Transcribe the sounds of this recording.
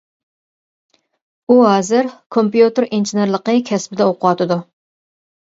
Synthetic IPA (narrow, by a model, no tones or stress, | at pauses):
uɦɑːzɨɾkʰompjut̪eɾinʒineɾlˠəqəkʲʰɛsbɪd̪ɛoqʰʊwɑt̪ɨd̪u